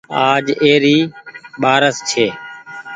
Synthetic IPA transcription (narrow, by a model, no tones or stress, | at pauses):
aːd͡ʒeːɾiːɓaːɾəst͡ʃʰeː